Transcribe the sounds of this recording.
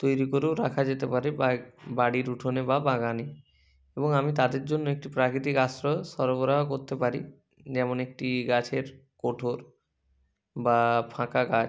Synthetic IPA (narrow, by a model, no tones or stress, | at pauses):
t̪ojɾikoɾewɾakʰad͡ʑet̪epaɾebaɽiɾuʈʰonebabaɡane | eboŋamit̪ad̪eɾd͡ʑonːoek̚ʈipɾakɾit̪̬ikasɾɔʃɔɾboɾaɦokoɾt̪epaɾḭ | d͡ʑɛmonek̚ʈiɡat͡ɕʰeɾkoʈʰoɾ | bapʰãkaɡa